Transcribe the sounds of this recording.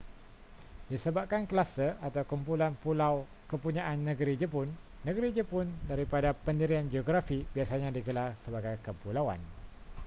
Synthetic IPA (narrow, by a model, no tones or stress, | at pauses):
disəbap̚kankəlasəʔat̪awkumpulanpulaw | kəpuɲãʔanːə̃ɡəɾid͡ʒəpʊnːə̃ɡəɾid͡ʒəpʊndaɾipadapəndiɾiand͡ʒioɡɾafibiasaɲãdiɡəlarsəbaɡajkəpulawa̰n